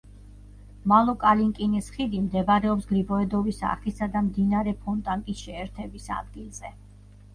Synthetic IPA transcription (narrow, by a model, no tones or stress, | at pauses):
malˠɔkʼaliŋkʼinisχid̪imd̪ɛbaɾɛɔpsɡɾibɔɛd̪ɔvisa̰χisad̪amd̪inaɾɛpʰɔnt̪ʼaŋk̪ʼisʃɛːɾt̪ʰɛbisa̰d̪ɡilˠz̥ɛ